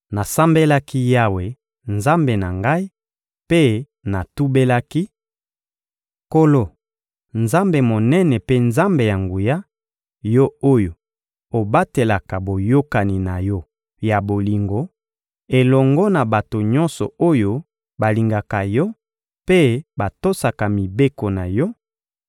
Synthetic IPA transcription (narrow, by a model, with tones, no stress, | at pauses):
na˨sa˦mbe˦la˦ki˦ja˦we˨ | nza˦mbe˨na˨ŋɡa˦i˦ | pe˦ | na˨tu˦be˦la˦ki˦ | ko˦lo˦˨ | nza˦mbe˨mo˨nɛ˦nɛ˨pe˦nza˦mbe˨ja˨ŋɡu˨ja˦ | jɔ˦o˦jo˨ | o˨ba˦te˨la˨ka˨bo˨jo˦ka˨ni˨na˨jɔ˦ | ja˨bo˨li˨ŋɡo˨ | e˨lɔ˨ŋɡɔ˦na˨ba˨to˨ɲɔ̃˦nsɔ̰˨o˦jo˦ | ba˨li˨ŋɡa˨ka˨jɔ˦ | pe˦ba˨to˦sa˨ka˨mi˨be˦ko˨na˨jɔ˦